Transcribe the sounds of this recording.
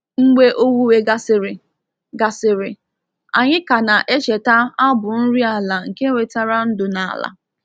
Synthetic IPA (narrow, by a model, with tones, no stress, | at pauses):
ŋ͡m̩˦ɡ͡be˦ʔo˦wu˦we˦ɡa˦sɾ | ɡa˨sɪ˨ɾɪ˨ | a˨ɲɪ˦ka˨na˨ʔe˦t͡ʃe˨ta˦a˦bʊ˨n̩˦ɾi˦a˨la˨ŋ̩˨ke˦ŋʷe˨ta˦ɾa˦n̩˦dʊ˨na˨a̰˨la̰˨